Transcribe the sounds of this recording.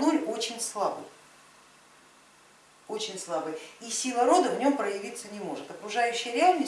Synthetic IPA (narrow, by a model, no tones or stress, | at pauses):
nolʲo̞t͡ɕɪnʲslˠabɨ̰j | o̞t͡ɕɪnʲslˠabɨjisʲilˠəɾo̞d̪əvnʲo̞mpɾəjɪvʲit̪sənʲɪmo̞ʐɨt̪ɐkɾʊʐajʉɕːɪjəɾʲɪalʲnə